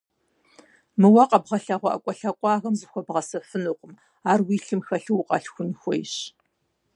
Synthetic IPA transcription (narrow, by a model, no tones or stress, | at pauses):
mɨwɐqʼɐbʁɐɬɐʁʷɔʔɐ̰kʷʼɔɬɐkʷʼɑːɣɐmzɨxʷɔbʁɐsɐfɨnuqəm | aːrwiːɬɨmxɐɬɨwqʼɐ̰ɬxʷʊnxʷɔjɕ